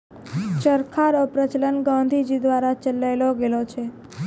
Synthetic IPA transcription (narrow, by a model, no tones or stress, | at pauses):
t͡ʃəɾkʰaɾopɾət͡ʃlənɡãnd̪ʱid͡ʒid̪ʋaɾat͡ʃəlːajloɡelot͡ʃʰe